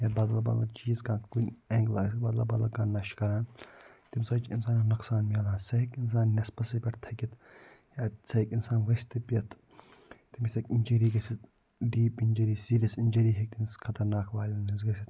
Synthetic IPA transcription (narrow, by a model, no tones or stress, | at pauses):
jɐbɐd̪lɐbɐ̰d̪lɐt͡ʃiːzkãːkunʲeŋɡlaːskbɐd̪lɐbɐd̪lɐkaːnːɐʃkɐɾaːnt̪imʲsɐt͡ʃinsaːnɐnɐksaːnmʲɐlaːnsɐɦikins̬aːnːɐspɐsipʲɐʈt̪ʰɐkʲit̪ | jasɐɦikinsaːnʋɐsʲt̪ipjɐt̪ʰ | t̪imisɐkinʲd͡ʒɐɾiːɡɐsit̪ | ɖiːpinʲd͡ʒɐɾiːsiːɾʲɐsinʲd͡ʒɐɾiːɦek̚t̪inskʰɐt̪ɐɾnaːkʰʋaːlʲɐnizɡɐsit̪